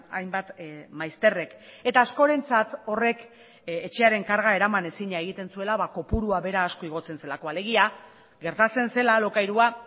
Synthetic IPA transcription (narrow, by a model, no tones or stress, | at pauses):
a̰jmbat̪majst̪e̞re̞ke̞t̪aːsko̞ɾe̞nt͡sat̪o̞re̞k | et͡ʃe̞aɾe̞ŋkaɾɣae̞ɾamane̞siɲaeɣ̞it̪e̞nsue̞laβako̞puɾuaβe̞ɾaːsko̞iɣ̞o̞t͡se̞nse̞lako̞ale̞ɣ̞ia | ɣe̞ɾt̪at͡se̞nse̞lalo̞kajɾua